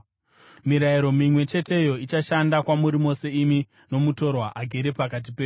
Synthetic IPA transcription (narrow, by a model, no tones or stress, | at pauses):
miɾaiɾo̞mimwe̞t͡ʃe̞te̞jo̞it͡ʃaʃandakwamuɾimo̞se̞imi | no̞muto̞rwaʔaɡʱeɾepakat̬ipeːju